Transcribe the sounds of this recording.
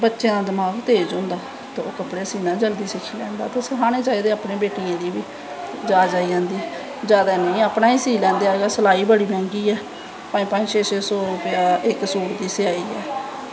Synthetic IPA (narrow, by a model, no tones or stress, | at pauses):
bətːʃeːnãːd̪əmaːɡt̪eːd͡ʒõːnd̪aː | t̪eːoːkəpɽeːsiːnãːd͡ʒəld̪iːsɪkʰiːlɛ̃ːnd̪a̰ːt̪eːsɪɦaːñeːt͡ʃaːiːd̪eːaːpnẽːbeːʈɪjãːd̪iːbiː | d͡ʒaːd͡ʒaːiːãːnd̪iː | d͡ʒjaːd̪aːnəĩːaːpnaːiːsiːlɛ̃ːnd̪eːaːeːɡaːsəlaːiːbəɽiːbɛ̃ːŋɡiːɛː | pãːĩːpãːʃeːseːsoːʊpɪjaːɪksuːɾd̪iːsɪaːiːɛː